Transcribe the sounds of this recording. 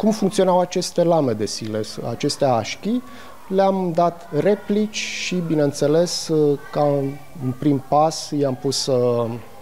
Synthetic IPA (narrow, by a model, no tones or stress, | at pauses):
kumfuŋkt̪sionawat͡ʃe̞st̪e̞lame̞d̪e̞sile̞a̰t͡ʃe̞st̪eaaʃkʲi | leamd̪at̪re̞plit͡ʃʲʃibinent̪se̞le̞ska | ɨnpɾimpasjejampussə